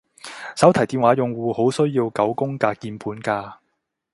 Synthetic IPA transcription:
sɐ˨˥wt̪ʰɐ˨˩jt̪iː˨˧nwaː˨˥jʊ˨ŋwuː˨ho˨˥wsɵ˥ɥjiː˧wkɐ˨˥wkʊ˥ŋkaː˧kiː˧npuː˨˥nkaː˧

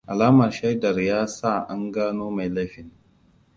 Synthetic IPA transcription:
ʔa˨laː˦mɐ˨rʃa˦jdɐ˨rjaː˦sa˦˨ʔa˦ŋɡaː˦noː˦ma˨jla˦ɸɪ˨n

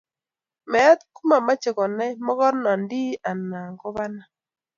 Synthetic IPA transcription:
mɛ˨˦t̪ku˦ma˨ma˦t͡ʃɪ˨kɔ˨nɛ˦mɔ˦kɔ˦ɾnɔ˨ndi˦a˨na˨ŋkɔ˦βa˦na˦

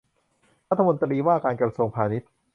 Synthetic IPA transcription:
ɾa˦t̪ʰːa˧mo˧nt̪ɾiː˧waː˥˩kaː˧nkɾa˧su˧əŋpʰaː˧ni˦˥t̪̚

